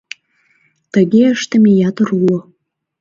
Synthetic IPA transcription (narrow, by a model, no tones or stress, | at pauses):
t̪əɣeəʃt̪əmejɑt̪əɾulo